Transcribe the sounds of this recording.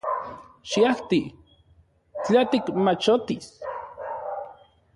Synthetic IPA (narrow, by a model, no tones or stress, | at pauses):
ʃiaht̪i | t͡ɬat̪ikmat͡ʃot̪is